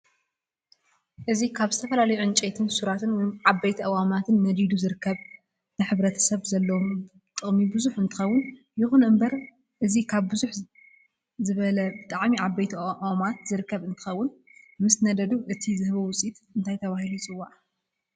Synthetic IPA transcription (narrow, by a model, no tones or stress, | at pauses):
ʔɨzikʰaβzɨt̪ʰɐfɐlalɐjuʕɨnt͡ʃʼet̪ʰɨnsuɾat̪ʰɨnwɔjnʕabɐjt̪ʰɐʔawamat̪ʰɨnːɐd̪id̪uzɨɾɨkʰːɐβ | nɐħɨβɾɐt̪ʰɐ̥sɐβzɐlːɐwom | t̪ʼɨɣʼmibɨzuħɨnt̪ʰɨxɐwːʊn | jɪxunʔɨmbɐɾ | ʔɨzikʰaβːɨzuħ | zɨβɐlɐbɨt̪ʼaʕmiʕabːɐjt̪ʰaamat̪zɨɾɨkʰːɐβɨnt̪ʰɨ̥xɐwːʊnmɨsnɐd̪ɐd̪uʔɨt̪ʰizɨhβɐwʊt͡sʼit̪ɨnt̪ʰajt̪ʰɐβahilut͡sʼɨwːaʔ